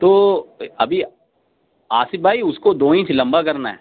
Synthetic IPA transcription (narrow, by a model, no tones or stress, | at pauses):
t̪oːɐbʱi | aːsɪt̪bʱaːiʊskod̪oːĩːt͡ʃlɐ̃mbakɐɾnaɦɛ̰ː